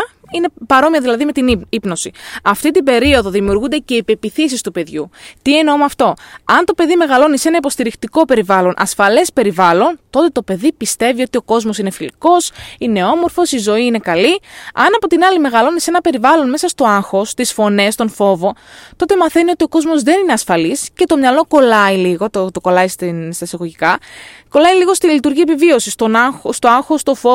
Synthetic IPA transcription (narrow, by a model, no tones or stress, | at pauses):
ine̞pɐɾo̞miɐðilɐðime̞t̪inipno̞siɐft̪it̪ibe̞ɾio̞ðo̞ðimiuɾɣund̪ece̞ipepiθis̬ist̪upe̞ðʝut̪ieneomoɐft̪o̞ɐnt̪o̞pe̞ðime̞ɣɐlo̞nise̞nɐipo̞st̪iɾixt̪iko̞pe̞ɾivɐlo̞nʔɐ̰sfɐle̞spe̞ɾivɐlo̞nt̪o̞t̪e̞t̪o̞pe̞ðipist̪e̞vio̞t̪io̞ko̞zmo̞sine̞filiko̞sine̞o̞mo̞ɾfo̞sizo̞iine̞kɐliɐ̰nɐpot̪inɐlime̞ɣɐlo̞nise̞nɐpe̞ɾivɐlo̞nme̞sɐst̪o̞ɐnxo̞st̪isfo̞ne̞st̪o̞nfo̞vo̞t̪o̞t̪e̞mɐθe̞nio̞t̪io̞ko̞zmo̞zðe̞nine̞ɐsfɐlisce̞t̪o̞mɲɐlo̞ko̞lɐiliɣo̞t̪t̪oko̞lɐist̪nst̪ɐsɐɣo̞ʝikɐko̞lɐiliɣo̞st̪ilit̪uɾʝiepivio̞sist̪onxst̪oɐnxo̞st̪o̞fo